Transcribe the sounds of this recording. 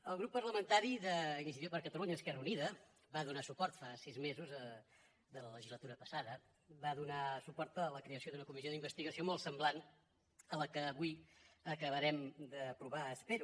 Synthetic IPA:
əlˠɣɾupːərləmənt̪aɾiðəinis̬it̪ipəɾkət̪əluɲəːskɛrəuniðə | baðunasupɔɾt̪fasizmezuzə | ðələləʒizlət̪uɾəpəsaðə | βaðunasupɔɾt̪əːləkɾeəsioðunəkumizjoðimbəst̪iɣəsiomolˠsəmblan | ələkəːβuiəkəβəɾɛmd̪əpɾuβaəspeɾu

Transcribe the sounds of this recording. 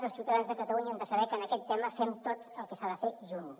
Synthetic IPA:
zəlˠsiwt̪əðanzðəkət̪əluɲəɛnd̪əsəβɛkənəkɛt̪ːɛməfɛmt̪ot̪əlˠkəsaðəfeʒun

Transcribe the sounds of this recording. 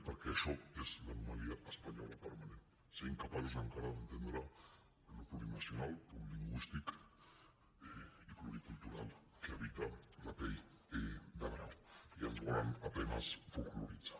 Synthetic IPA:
paɾkeaʃoezlanumaliaʔaspaɲalapaɾmanen | sejŋkapazesaŋkaɾaðent̪end̪ɾa | lokuɾinasionalpuliŋɡwist̪ik | ikloɾikult̪uɾal | keaβit̪alat̪ej | d̪aɾnaianoanapenazfokluɾit͡sḁ

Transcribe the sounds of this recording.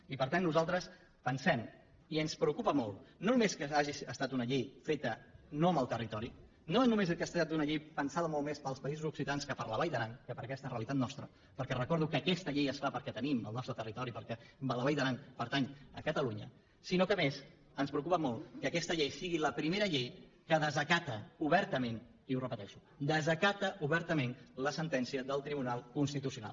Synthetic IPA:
ipəɾt̪anːuzalˠt̪ɾəs | pənsɛm | iənspɾəukupəmɔlˠnonumeskəaʒisəst̪at̪unəʎejfet̪ənoəməlˠt̪ərit̪ɔɾi | noeznumezəkast̪at̪unəʎejpənsaðəmɔlˠmespəlˠspəizuzuksit̪anskəpəɾləβajðəɾaŋkəpəɾəkɛst̪əreəlit̪at̪nɔst̪ɾə | pəɾkɛrəkɔɾðukəːkɛst̪əʎejəsfapəɾkɛt̪əniməlˠnɔst̪ɾət̪ərit̪ɔɾipəɾkɛbələβajðəɾaŋpəɾt̪aɲəkət̪əluɲə̰ | sinokəmez | ənspɾəukupəmɔlˠkəkɛst̪əʎejsiɣiləpɾimeɾəʎej | kəðəzəkat̪əuβɛɾt̪əmen | iurəpət̪ɛʃu | d̪əzəkat̪əʔuβɛɾt̪əmenləsənt̪ɛnsiəðəlˠt̪ɾiβunalˠkunst̪it̪usiuna̰l

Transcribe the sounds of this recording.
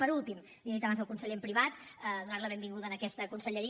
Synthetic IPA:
pəɾulˠt̪im | d̪iɾɛk̚t̪əβanzðəlˠkunsəʎempɾiβat̪ | əðunaɾləβ̞embiŋɡuðəːnəkɛst̪əkunsəʎəɾi

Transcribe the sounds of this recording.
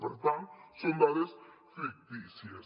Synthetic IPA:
peɾt̪aŋsond̪aðesfik̚t̪isjes

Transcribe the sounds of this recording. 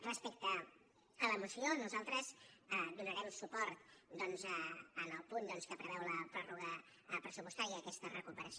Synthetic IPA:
rəspek̚t̪əː | ləmusionuzalˠt̪ɾəzd̪unəɾɛmsupɔɾt̪d̪ɔnzəːnəlˠpund̪ɔnskəpɾəβɛwləpɾɔruɣə | pɾəsupust̪aɾiəəkɛst̪ərəkupəɾəsi

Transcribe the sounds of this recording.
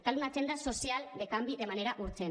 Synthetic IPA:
k̪alunat͡send̪aso̞sialde̞kambiðe̞mane̞ɾaʔuɾt͡sen

